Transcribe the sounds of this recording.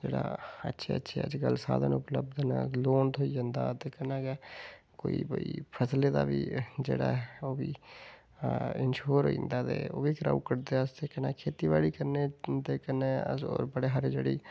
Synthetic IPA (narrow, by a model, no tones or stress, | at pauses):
d͡ʒeːɽa̰ːə̰tːʃʰeːətːʃʰḛə̰d͡ʒɡəlsa̰ːd̪ənʊpləbd̪ənloːnt̪ʰoid͡ʒãːnd̪a̰ːt̪eːkənaːke | koːibəipʰəsled̪a̰ːbiːd͡ʒeːɽaoːbiː | ɪnʃoːɾɦo̰ːḭ̃nd̪aːt̪ḛːoːbiːkɾa̰ːukəɾd̪eəst̪ekənaːkʰeːt̪iːʋaːɽikəɾned̪eːkəneoːɾbəɽeːɦəɾd͡ʒeːɽiː